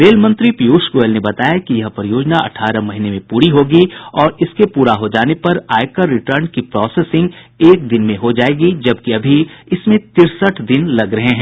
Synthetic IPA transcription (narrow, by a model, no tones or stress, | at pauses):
ɾeːlmɐ̃nt̪ɾipijuːʃɡoːelnebɐt̪aːjakijɐɦpɐɾɪjoːd͡ʒnaʔɐ̰ʈʰaːɾəmɐɦinemẽpuːɾiɦoːɡiɔːɾɪskepuːɾaɦod͡ʒaːnepɐɾaːjɪkəɾːɪʈəɾnkipɾɔːseːsɪ̃ŋɡ | eːk̚d̪ɪnmẽɦod͡ʒaːeːɡid͡ʒɐb̚kiɐbʱiɪsmẽt̪ɪɾsəʈʰd̪ɪnlɐɡɾɐɦeɦɛ̃ː